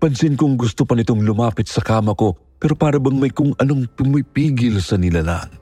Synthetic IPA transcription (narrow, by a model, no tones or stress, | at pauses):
pɐnsɪnkʊŋɡʊst̪opɐnɪt̪o̞ŋlʊmaːpɪt̪̚sɐkaːmɐko̞ | pɛːɾo̞paːɾɐbɐŋmɐjkʊŋɐno̞ŋpʊmipiːɡɪlsɐnɪlala̰ŋ